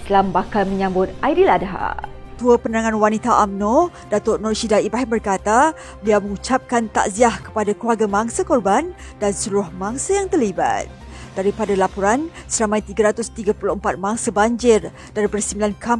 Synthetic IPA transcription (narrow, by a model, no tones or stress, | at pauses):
t̪lambakalməɲãmbʊt̪̚ʔaidiladaɦa̰t̪uəpənənaŋãnwanit̪aʔamno | dat̪ʊʔnɔrʃidaibɾaɦimbərkat̪a | bəliawməŋut͡ʃap̚kant̪a̰ʔziahkə̥padakluaɡamaŋsakɔrban | dansəluɾʊhmaŋsajaŋt̪ərliba̰t̪̚ | d̥aɾipadalapɔɾansəɾamajt̪iɡaɾat̪ʊst̪iɡapulʊhəmpat̪̚maŋsabaɲd͡ʒɪr | daɾipərsimbilankʰam